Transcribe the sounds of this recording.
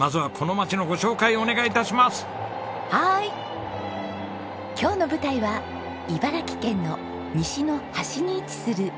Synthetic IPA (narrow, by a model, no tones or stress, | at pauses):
mazɨβakʰo̞no̞mat͡ɕino̞ɡo̞ɕo̞ːkaio̞ne̞ɡait̪aɕimasɨ̥ | hai | kʲo̞ːno̞bɯ̟t̪aiβa | ibaɾakʲi̥kẽ̞nːo̞ | mʲiɕino̞haɕiɲ̟iːt͡sɨ̥sɨɾɯ̟